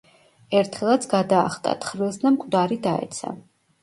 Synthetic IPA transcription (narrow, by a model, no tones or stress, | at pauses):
ɛɾt̪ʰχɛlˠat̪sʰɡad̪aːχt̪ʼa̰t̪ʰχɾilˠsd̪amkʼd̪aɾid̪aɛ̰t̪sʰa̰